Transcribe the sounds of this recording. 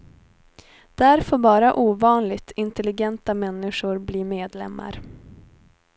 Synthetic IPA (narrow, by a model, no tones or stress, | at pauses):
d̪̥ɛæɾfoːɾbɑːɾaʔuːvɑːnlɪɡt̪ʰɪnt̪ɛlɪɡɛnt̪amɛnːɪʂʊɾbliːmeːd̪lɛ̰mːa̰ɾ